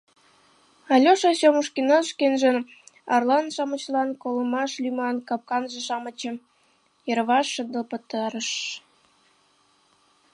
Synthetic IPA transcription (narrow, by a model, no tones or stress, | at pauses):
ɑlʲoʃɑɕoməʃkinoʃkenʒən | ɑrlɑnʃɑmə̆t͡ɕlɑnkoləmɑʃlʲymɑnkɑp̚kɑnʒĕʃɑmə̆t͡ɕə̆m | jəɾβɑʃːə̆nd̪əpə̆t̪ɑɾəʃ